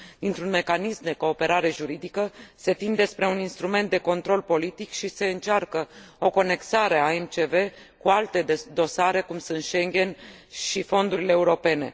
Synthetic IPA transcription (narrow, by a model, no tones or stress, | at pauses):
d̪̥int̪ɾunme̞kanismd̪e̞ko̞ːpe̞ɾaɾe̞ʒuɾid̪ikəse̞t̪ind̪e̞spɾe̞uninst̪ɾume̞nt̪d̪e̞ko̞nt̪ɾo̞lpo̞lit̪ikʃise̞ɨnt͡ʃarkəo̞ko̞ne̞ksaɾe̞aemt͡ʃe̞ve̞ | kualt̪e̞d̪o̞saɾe̞kumsunt̪ʃe̞ŋɡʲe̞n | ʃifo̞nd̪uɾile̞ːuɾo̞pe̞ne̞̰